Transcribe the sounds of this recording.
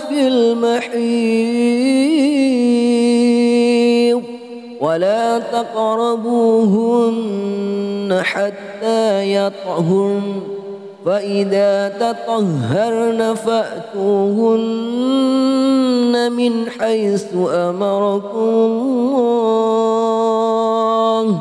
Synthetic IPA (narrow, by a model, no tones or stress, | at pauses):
bɪlmaħiː | walaːt̪ɑqɾˤɑbuːɦʊnː | aħat̪ːaːjɑt̪ˤɦʊɾ | faʔɪðaːt̪ɑt̪ˤɑhɑɾˤnafaʔt̪uːhʊn | amɪnħajθʊʔamɑɾˤɑkʊʊl